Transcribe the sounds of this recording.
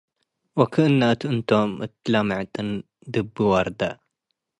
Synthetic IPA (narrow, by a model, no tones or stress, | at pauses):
wɐkʰɨʔɨnːat̪ʔɨnt̪ʰomɨ̰t̪ːlamaʕt̪ʼɨn | d̪ɨbːɨwɐɾˤd̪a